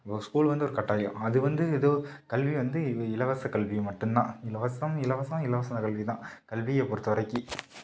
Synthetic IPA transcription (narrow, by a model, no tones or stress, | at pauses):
skuːlʋɐnd̪ɯɔɾɯkɐʈːaːjɐ̃ɐðɯʋɐnd̪ɯɛðoːkɐlʋiʋɐnd̪ɯɪlɐʋɐsɐkɐɭʋimɐʈːɯmnã̰ːɪlɐʋɐsɐmɪlɐʋɐsɐ̃ɪlɐʋɐsɐ̃nd̪ɐkɐlʋit̪ãːkɐɭʋijɐpɔɾɯt̪ːɐʋɐɾɐɪkːɯ